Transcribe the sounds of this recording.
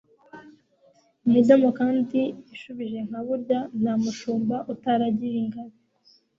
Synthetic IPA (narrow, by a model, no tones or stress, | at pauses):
midamokaːndiiʃuβiʒe̞ŋ̥haβuɾɟan̥hamuʃuːmbaʔutaɾaɟiɾiŋɡaɾi